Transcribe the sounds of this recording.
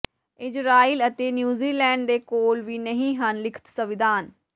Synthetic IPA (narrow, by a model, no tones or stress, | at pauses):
ɪd͡ʒɾaːiːlət̪eːnjuːziːlɛ̃ːɳɖd̪eːkoːlʋiːnəɦĩːɦənlɪkʰə̥t̪səʋɪd̪aːn